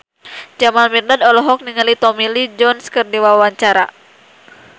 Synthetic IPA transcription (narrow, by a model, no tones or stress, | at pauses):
d͡ʒamalmirnadɔlɔɦɔk̚niŋalit̪ɔmilid͡ʒɔnskɨrdiwawaɲt͡ʃaɾa